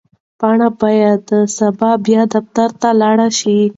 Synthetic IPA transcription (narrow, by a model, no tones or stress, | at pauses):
pɑɳabajad̪sabɑbjɑd̪aft̪aɾt̪alɑɽaʃi